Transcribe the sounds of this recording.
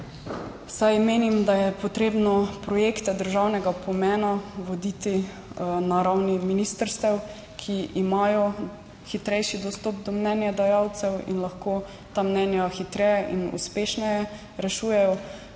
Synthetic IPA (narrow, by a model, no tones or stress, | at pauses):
sajmeːnimd̪ajɛpɔt̪ɾeːbnɔpɾɔjekt̪ɛd̪əɾʒawnɛɡapɔmɛːnaʋod̪it̪i | naɾawniminist̪əɾst̪ɛw | kʰiʔimajɔ | xit̪ɾɛjʃid̪ɔst̪ɔːp̚d̪ɔmnɛnjad̪ajawt̪sɛwḭnlɐxkoː | t̪amnɛnjaxit̪ɾɛjɛʔinṵspeːʃnɛjɛ | ɾɛʃuːjɛjɔ